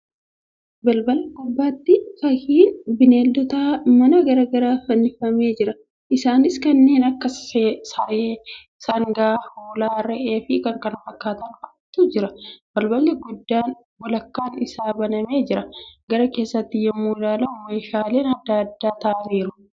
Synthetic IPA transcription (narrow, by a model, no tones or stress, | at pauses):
bɐlbɐlːɡʊbːaːt̪ːɪfɐhiːnbɪneːld̪ɔt̪aːmɐnɐɡɐɾɐɡɐɾaːfɐnːɪfɐme̞ːd͡ʒɪɾɐ | ʔɪsaːnɪskɐnːe̞ːnɐkːɐssɐeː | sɐŋɡaːhoːlaːɾɛʔe̞ːfɪkɐŋkʼɐnfɐkːaːt̪ɐnɐt̪ːud͡ʒɪɾɐb̥ɐlbɐlːɛɡʊd̪ːaːn | wɔlɐkːaːnɪsaːbɐnɐme̞ːd͡ʒɪɾɐɡ̥ɐɾɐke̞ːsːɐt̪ːɪjɛmːuːɪlaːlɐʊme̞ːʃaːle̞ːnɐd̪ːaːd̪ːaːt̪ɐʔɐniːɾʊ